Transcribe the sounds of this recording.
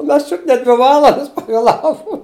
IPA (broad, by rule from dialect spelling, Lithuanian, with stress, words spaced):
ʊ ˈmʲɛs ˈt͡ʃʲʊt nʲɛ ˈdʲʋʲɪ ˈʋɑːlˠɐndɐs pɐʋʲeːˈlˠɑːʋʊ